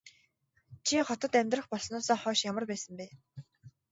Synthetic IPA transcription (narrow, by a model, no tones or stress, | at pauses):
t͡ɕʰiχɔt̪ɞ̆t̪æmʲt̪rə̆χpɔɮsnʊːsɔːχɔːʃjamə̆rpæːsə̆mpæː